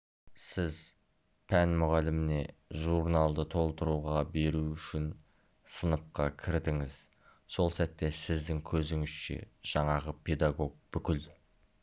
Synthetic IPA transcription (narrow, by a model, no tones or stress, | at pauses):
sɪz | pʰænmʊʁɑlɪmɪne̞ʒuɾnalˠd̪ət̪ʰo̞lˠt̪əɾuʁɑbe̞ɾuʏʃɪn | sənəp̚qɑkʲʰɪɾd̪ɪŋɪz | so̞lˠsæt̪ːe̞sɪzd̪ɪŋkʲʰɵzɪŋɪz̥ʃḛʒ̥ɑɴɑʁəpʰe̞d̪aɡo̞ɡ̚bʏkʲɪl